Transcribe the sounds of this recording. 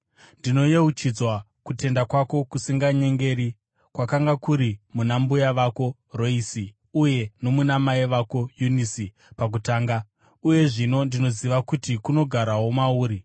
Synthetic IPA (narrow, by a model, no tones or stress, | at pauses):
ndino̞jeut͡ʃid͡zwa | kute̞ndakwako̞kusiŋɡaɲe̞ŋɡe̞ɾi | kwakaŋɡakuɾimunambujaʋako̞ | roisi | uje̞no̞munamaiʋako̞junisi | pak̬utaːŋɡa | uje̞ʐino̞ndino̞ziʋakutikuno̞ɡʱaɾaɦomauːɾi